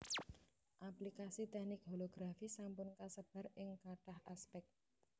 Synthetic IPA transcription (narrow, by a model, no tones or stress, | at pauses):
ʔaplikasit̪ɛhnɪk̚ɦoloɡ̥ɾafisampʊnkasəb̥a̤rɪŋkaʈahaspɛk̚t̪̚